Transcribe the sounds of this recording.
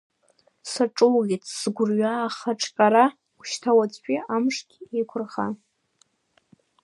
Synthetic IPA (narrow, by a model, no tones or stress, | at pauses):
saʈ͡ʂʼʊluɡʲitʼʰsɡʷʊrɥaːχaʈ͡ʂʰʼqʼaɾa | kʷʰʃtʰawat͡sʼpʼiamʂɡʲejkʷʰʊrχa